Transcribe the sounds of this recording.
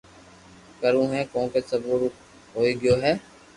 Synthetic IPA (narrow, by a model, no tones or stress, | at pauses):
kəɾũːɦɛ̃ːkõːkeːsəbuːɾ | ɦoːiːɡɪjoːɦɛː